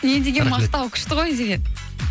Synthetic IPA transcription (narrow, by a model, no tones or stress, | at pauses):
ned̪eɡʲenmɑqt̪ɑwkʲʰʏ̥ʃt̪ɪʁojd̪e̞ɡʲen